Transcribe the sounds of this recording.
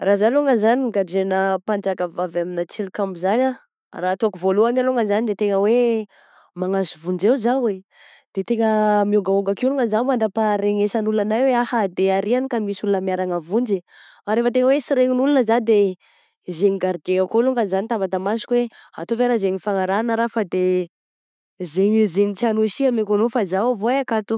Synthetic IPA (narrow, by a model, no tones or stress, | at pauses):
razaluŋəzaniɡaɖ͡ʐenəpand͡zakəvavaminat͡silikambuzana | rat̪oakuvoluanaluŋəzanid̪et̪eŋəwe | maŋazuvund͡ʒeuzawe | d̪̥et̪eŋəmiuɡauɡakuluŋazamaɳɖ͡ʐapaɾeŋesanulunanajweahad̪eaɾianikamisulunəmiaɾaŋəvund͡ʒi | aɾefət̪eŋəwesiɾeŋinulunəzad̪e | zeŋiɡaɾid͡ʒeŋakoluŋənzanit̪abat̪amasu̥kʲwea̰t̪oveɾazeŋifaŋaɾanəɾafad̪e | zeɲizenit͡sianoʃiamekanofazawvoeakat̪u